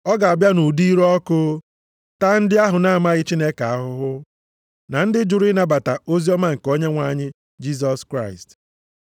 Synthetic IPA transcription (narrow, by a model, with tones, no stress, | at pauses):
ɔ˦ɡa˨a˨bja˦nu˨di˦ɾɔ˦koː˦ | ta˦n̩˦dɪ˦a˦ɦʊ˨na˦a˨ma˦ɣɪ˦t͡ʃi˦ne˦ka˨a˦ɦʊ˦ɦʊ˦ | na˨n̩˦dɪ˦d͡ʒʊ˨ɾi˦na˦ba˨ta˨o˦zi˦ɔ˦ma˦ŋ̩˨ko˦ɲe˦ŋʷa˨˦˨ɲɪ˦ | d͡ʒi˦s̬ɔ˦skɾa˦˨ɪ˨st